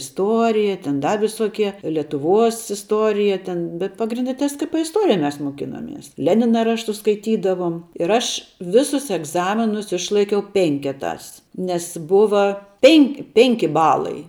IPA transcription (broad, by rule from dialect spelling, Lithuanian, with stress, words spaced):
ɪsˈtuɔrʲɪjɛ tʲɛn ˈdɐ ʋʲɪsoːˈkʲiɛ lʲɛtʊˈʋuɔs ɪsˈtuɔrʲɪjɛ tʲɛn bʲɛt pɐɡrʲɪnʲˈdʲɛ tskp ɪsˈtoːrʲɪjɛ mʲɛs moːˈkʲɪnoːmʲiɛs ˈlʲæːnʲɪnɐ ˈrɑːʃtʊs skɐɪˈtʲiːdɐʋoːm ɪr ˈɐʃ ˈʋʲɪsʊs ɛɡˈzɑːmʲɪnʊs ˈɪʃlˠɐɪkʲɛʊ ˈpʲɛŋʲkʲɛtɑːs nʲɛs ˈbʊʋɐ ˈpʲɛnʲ ˈpʲɛŋʲkʲɪ ˈbɑːlˠɐɪ